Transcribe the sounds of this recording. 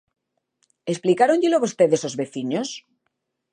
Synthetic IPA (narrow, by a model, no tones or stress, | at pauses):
esplikaɾoɲʎeloβost̪eðesozβeθiɲos